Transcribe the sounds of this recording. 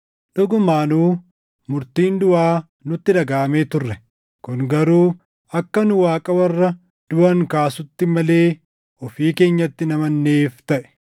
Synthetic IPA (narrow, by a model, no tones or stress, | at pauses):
ɗɔɡʊmaːnuː | mʊɾt̪iːnd̪ʊaː | nʊt̪ːɪd̪ɐɡaːmeːt̪ʊrːɛ | kʊŋɡɐɾuː | ɐkːɐnʊwaːkʼɐwɐrːɐ | d̪̥ʊʔɐŋkaːsʊt̪ːɪmɐle̞ː | ɔfiːke̞ːɲːɐt̪ːɪnɐmɐnːeːft̪ɐʔɛ̥